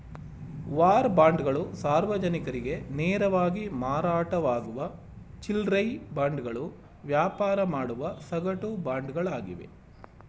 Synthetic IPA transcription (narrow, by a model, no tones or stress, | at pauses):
ʋaːɾbaːɳɖɡɐɭusaːɾʋɐd͡ʒɐnikɐɾiɡe̞neːɾɐʋaːɡimaːɾaːʈɐʋaːɡuʋɐ | t͡ʃilɾɐjbaːɳɖɡɐɭu | ʋjaːpaːɾɐmaːɽuʋɐsɐɡɐʈubaːɳɖɡɐɭaːɡḭʋe̞̰